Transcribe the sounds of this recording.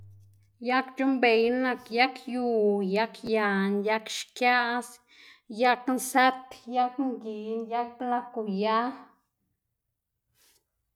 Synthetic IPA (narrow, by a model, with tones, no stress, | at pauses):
ja˦kt͡ʃu˦mbe˨jna˧kja˦kju˧˨ja˦kja˨nja˦kʃkja˦ʔs | ja˦knsa˦t̪ja˦kŋɡi˨nja˦k̚pla˦˧ku˨ja˦